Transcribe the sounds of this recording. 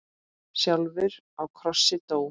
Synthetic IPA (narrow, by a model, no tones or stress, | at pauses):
sjalvɪɾ | awkʰɾɔsːɪt̪oːw